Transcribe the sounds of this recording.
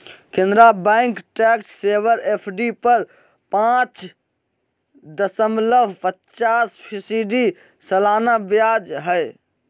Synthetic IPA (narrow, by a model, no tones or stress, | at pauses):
kẽnd̪ɾabɛɪŋkʈɛksːebəɾepʰɖipəɾ | pãt͡ʃ | d̪əsəmləbpətt͡ʃaspʰisiɖi | səlaːnabjad͡ʒɦəj